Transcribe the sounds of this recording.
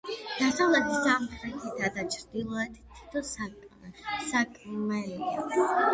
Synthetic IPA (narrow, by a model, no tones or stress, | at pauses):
d̪̥asavlɛt̪ʰizamχɾɛt̪ʰit̪ʰad̪at͡ʃʰɾd̪ilˠɔɛt̪ʰt̪ʰi̥t̪ʰɔsa | sakʼmɛɡi